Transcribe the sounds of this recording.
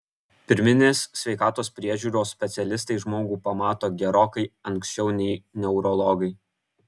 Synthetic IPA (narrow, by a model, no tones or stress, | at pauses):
pʲɪɾʲmʲɪnʲeːsːʲʋʲɛɪkɑːt̪oːspʲɾʲiɛʒʲuːɾoːsʲpʲɛt̪sʲɛlʲɪs̬t̪ɐɪʒmoːɡuːpɐmɑːt̪oːɡʲɛɾoːkɐɪɐŋʲksʲt͡ʃʲɛʊnʲɛɪnʲɛʊɾɔlˠɔːɡɐɪ